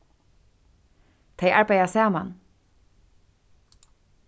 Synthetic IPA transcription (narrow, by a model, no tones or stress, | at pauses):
t̪ʰejʔaɹbajðasaːma̰n